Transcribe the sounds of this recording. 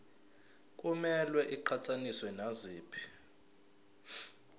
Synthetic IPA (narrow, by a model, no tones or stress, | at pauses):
k̬ʼumɛlwɛʔiǃʰat͡sʰʼaniswɛnaziːpʰi̥